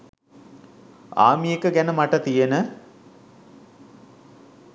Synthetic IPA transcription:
a̰ːmijekəɡænəmaʈət̪ijenə

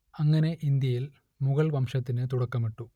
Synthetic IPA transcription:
ɐŋːɐne̞ʔind̪jɐjil | muɣɐɭʋɐmʂɐt̪ːinɨt̪uɽɐkːɐmiʈːu

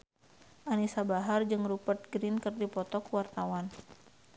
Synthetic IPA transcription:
ʔanisabaɦard͡ʒɨŋrupərt̪̚ɡɾinkɨrdipɔt̪ɔkuwart̪awan

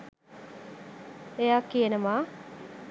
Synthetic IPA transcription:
ejaːkːijenəmaː

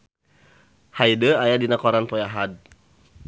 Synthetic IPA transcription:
hajdəajadinakɔɾanpɔjaɦad̚

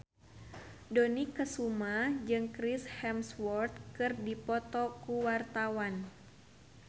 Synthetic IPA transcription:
dɔnikəsumad͡ʒɨŋkɾishɛmswɔrt̪̚kɨrdipɔt̪ɔkuwart̪awan

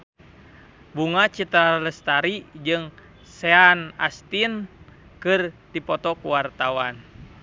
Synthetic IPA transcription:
buŋat͡ʃit̪ɾaləst̪aɾid͡ʒɨŋ | sɛana̰st̪inkɨrt̪ipɔt̪ɔkuwart̪awan

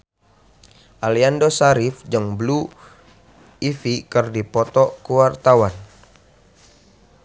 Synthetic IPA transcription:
ʔaliandosaɾifd͡ʒəŋblu | ifikɨrdipɔt̪ɔkuwart̪awan

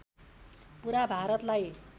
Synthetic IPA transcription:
puɾabʱaɾʌt̪laj

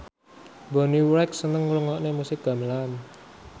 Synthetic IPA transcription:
bo̤niwɾɛk̚sənəŋluŋɔʔnemusɪk̚ɡ̥a̤məlan

